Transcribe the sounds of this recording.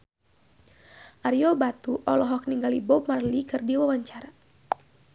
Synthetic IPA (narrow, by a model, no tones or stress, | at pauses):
ʔaɾjɔbat̪uʔɔlɔɦɔk̚niŋɡalibɔp̚marlikɨrdiwawaɲt͡ʃaɾa